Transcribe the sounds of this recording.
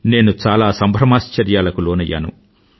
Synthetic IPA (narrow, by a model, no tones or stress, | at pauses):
ne̞ːnut͡ʃaːlaːsɐmbʱɾɐmaːst͡ʃɐɾjaːlɐkuloːnɐjːa̰ːnṵ